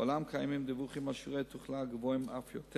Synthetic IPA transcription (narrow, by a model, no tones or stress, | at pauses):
olamkʰajmimd̪ivuχimaʃiʁet̪uχlaɡvoimafjot̪ʰɛ